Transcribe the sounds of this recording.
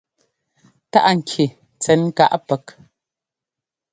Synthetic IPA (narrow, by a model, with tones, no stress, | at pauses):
ta̰˦ʔŋ̩˨kʰi˨ | t͡sɛ˨˦nŋ̩˦ka̰˦ʔpɛ˨k̚